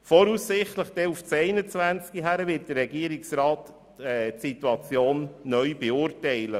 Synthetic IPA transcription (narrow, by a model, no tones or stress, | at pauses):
fɔɾusːɪχtləχd̥ɛuft͡sɛɪnət͡sʋænt͡skiɦæɾəvɪt̚d̥əɾːɛɡiəɾɪksɾɑːt | ɛtsituɑt͡sjoːnːœʏbɛʊːɾtɛɪlə